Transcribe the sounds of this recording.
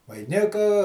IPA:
ʋɐɪˈnʲɪkɐ

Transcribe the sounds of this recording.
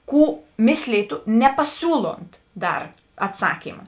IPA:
ˈkuː ˈmʲeːsʲlʲiːtʊ nʲɛpɐˈsʲuːlˠoːnt ˈdɐr ɐtˈsɑːkʲiːmɐ

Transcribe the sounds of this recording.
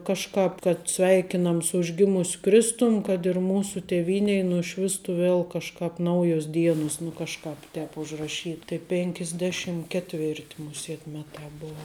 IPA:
ˈkɑːʃkɑːp kɐt ˈsʲʋʲɛɪkʲɪnɐm sʊ ʊʒʲˈɡʲɪmʊsʲ ˈkrʲɪstʊm kɐt ɪr ˈmuːsʊ tʲeːˈʋʲiːnʲɛɪ nʊˈʃʲʋʲɪstʊ ˈʋʲeːlˠ kɐʃˈkɑːp ˈnɐʊjoːs ˈdʲiɛnʊs nʊ ˈkɑːʃˌkɑːp ˈtʲɛːp ʊʒrɐˈʃʲiːt tɐɪ pʲeːŋʲkʲɪzʲˈdʲæːˌʃʲɪm kʲɛtʲˈʋʲɛrt mʊˈsʲeːt ˈmʲæːˌtɑː ˈboːʋɐ

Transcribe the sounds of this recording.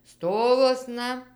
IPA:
ˈstoːʋuɔsnɐ

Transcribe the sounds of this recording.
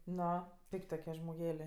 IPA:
ˈnoː ˈpʲɪkʲtʲ toːˈkʲiɛ ʒmoːˈɡʲæːlʲeː

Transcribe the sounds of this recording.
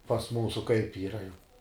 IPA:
pɐs ˈmuːsʊ kɐɪp ˈiːrɐ jɛʊ

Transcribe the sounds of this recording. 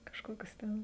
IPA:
kɐʃˈkoːkʲʊs ˈtʲɛn

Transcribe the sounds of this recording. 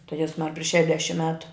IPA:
tɐɪ ˈjæːzmɐr pʲrʲɪʃ ʃʲɛˈdʲæːʃʲɪm ˈmʲæːtʊ

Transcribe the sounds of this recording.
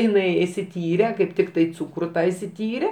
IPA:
ɪˈnɐɪ ɪʃʲsʲɪˈtʲiːrʲɛ kɐɪp ˈtʲɪktɐɪ ˈt͡suːkrʊ ˈtɑː ɪʃʲsʲɪˈtʲiːrʲɛ

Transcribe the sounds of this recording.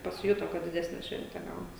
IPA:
pɐsʲɪˈjʊtoː ˈkɐt dʲɪˈdʲæːsʲnʲɛ ˈʃʲʋʲɛnʲtʲɛ ˈɡɐʊnɐs

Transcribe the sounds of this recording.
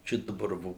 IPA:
ˈt͡ʃʲɛ dɐˈbɐr ˈʋoː

